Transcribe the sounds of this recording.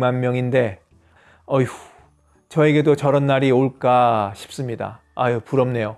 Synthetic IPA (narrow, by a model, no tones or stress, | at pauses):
manmjʌŋinde̞ | ʌ | t͡ɕʌe̞ɡe̞dot͡ɕʌɾʌnːaɾioɭk͈aɕʰi̥p̚s͈ɯmɲida̰ːjopuɾʌmne̞jo